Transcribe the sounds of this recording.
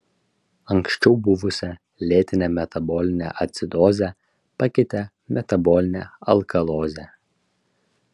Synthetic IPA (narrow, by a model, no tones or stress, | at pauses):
ɐŋksʃʲt͡ʃʲɛʊbʊʋʊsʲɛ | lʲeːt̪ʲɪnʲɛmʲɛt̪ɐbɔːlʲɪnʲɛ̰ʔɐt̪ʲsʲɪd̪ɔːzʲɛ | pɐkʲɪt̪ʲɛ | mʲɛt̪ɐbɔlʲɪnʲɛɐlˠkɐlˠoːzʲɛ